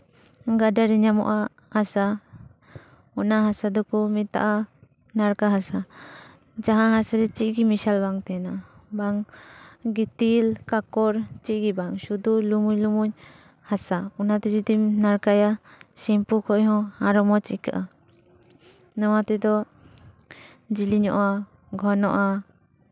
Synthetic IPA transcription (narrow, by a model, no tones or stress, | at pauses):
ɡadaɾɛɲamɔ̰ʔa | hasa | ɔnaɦasad̪ɔkɔmit̪a̰ʔa | naɾkaɦasa | d͡ʒaɦãɦasaɾɛt͡ʃiʔ̚ɡimisalbaŋt̪ɛnabaŋ | ɡit̪ilkakɔɾt͡ʃiʔ̚ɡibaŋsud̪ulumuɲlumuɲ | hasaunat̪ɛd͡ʒɔd̪imnaɾkajasɛmpukʰɔjɦɔ̃aɾɔmɔt͡ʃiʔkaʔa | nɔwat̪ɛd̪ɔ | d͡ʒiliɲɔ̰ʔa | ɡʱɔnɔʔa